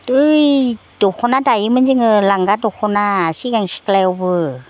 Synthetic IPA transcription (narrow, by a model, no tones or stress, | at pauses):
ɯjdɔkʰɔnadajɯmɯnzɯŋɯlaŋɡadɔkʰɔnasiɡaŋsi̥klajɔwbɯ